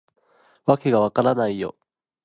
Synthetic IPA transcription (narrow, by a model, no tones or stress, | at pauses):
βake̞ɡaβakaɾanaijo̞̰